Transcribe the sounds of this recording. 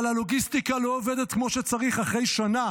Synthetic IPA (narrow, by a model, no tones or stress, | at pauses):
lalo̞ɡistikaloːved̪et̚kmo̞ʃet͡saʁiχaχʁe̞jʃana